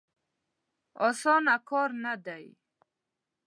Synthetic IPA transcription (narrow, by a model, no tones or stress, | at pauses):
ɔsɔnakʰɔɾnad̪aj